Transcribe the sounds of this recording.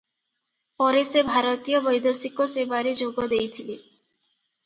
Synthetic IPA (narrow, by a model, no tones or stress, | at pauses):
pɔɾesebʱaɾot̪ijobojd̪ʱosikːosebaɾid͡ʑoɡod̪ejt̪ʰile